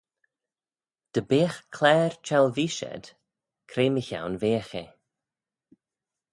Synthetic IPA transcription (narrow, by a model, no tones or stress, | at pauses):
d̪̥əbeːxkʰlɛːɾt͡ʃʰɛlˠviːʃɛ̰d̪̥ | kʰɾeːməça̰wnveːxe